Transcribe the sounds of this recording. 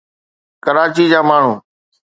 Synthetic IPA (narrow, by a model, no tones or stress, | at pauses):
kəɾaːt͡ɕiːd͡ʑaːmaːɳ̤uː